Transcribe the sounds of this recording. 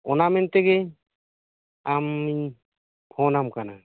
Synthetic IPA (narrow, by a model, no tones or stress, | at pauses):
ɔnamɛnt̪ɛɡɛ | amiɲ | pʰɔnamkana